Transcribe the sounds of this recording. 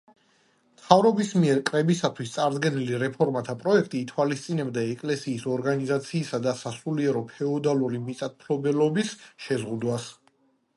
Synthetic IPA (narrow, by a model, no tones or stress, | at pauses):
t̪ʰavɾɔbismiɛɾkʼɾɛbisat̪ʰwist̪sʼaɾd̪ɡɛniliɾɛpʰɔɾmat̪ʰapʼɾɔɛk̚ʰt̪ʼiːt̪ʰwalist̪sʼinɛbd̪aɛkʼlɛsiːsɔɾɡanizat̪sʰiːsad̪asasuliɛɾɔpʰɛɔd̪aluɾimit̪sʼat̪̚pʰlɔbɛlɔbisʃɛzʁud̪was